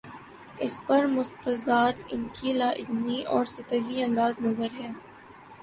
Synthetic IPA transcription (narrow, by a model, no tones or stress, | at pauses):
ɪspɐɾmʊst̪əzaːd̪ɪ̰nkʰilaːʔɪ̰lniʔɔːɾsɪt̪əɦiɐ̃nd̪aːznɐzəɾɦɛː